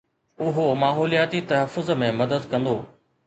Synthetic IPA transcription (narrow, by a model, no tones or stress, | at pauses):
ʊɦomaːɦɔːlijaːt̪it̪ɐɦəfːʊzmẽmɐd̪əd̪kɐ̃nd̪oː